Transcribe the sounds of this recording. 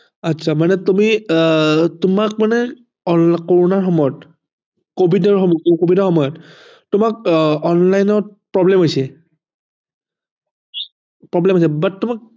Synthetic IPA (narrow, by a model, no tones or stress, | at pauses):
atsʰamanɛtumi | tʊmak̚manɛ | ɔkoɹunaɹxɔmɔjɔt | kobʱidɔɹxɔmkobʱidɔɹxɔmɔjɔtː | ʊmak̚ɔnlajnɔɹpɹɔblɛmɦojsɛ | pɹɔblɛmɦosɛbatːʊmak̚